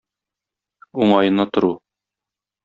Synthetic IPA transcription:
uɴɑjɤ̆nːɑt̪ŏɾu

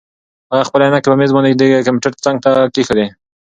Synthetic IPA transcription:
haɣaxpəlajnakepəmezmɑned̪ekampuʈəɾt͡saŋɡ̚t̪akixəd̪e

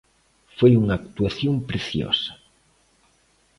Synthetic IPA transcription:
fejunakt̪uaθjompɾeθjo̰sḁ

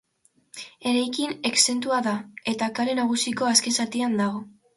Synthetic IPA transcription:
e̞ɾajkine̞kse̞nt̪uaðae̞t̪akaɾe̞naɣ̞usiko̞aske̞nsat̪iand̪aɣ̞o̞

